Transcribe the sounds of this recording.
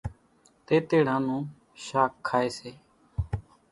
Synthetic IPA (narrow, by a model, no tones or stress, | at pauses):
t̪eːt̪eːɽ̤ãːnũː | ʃaːkʰːaːeːseː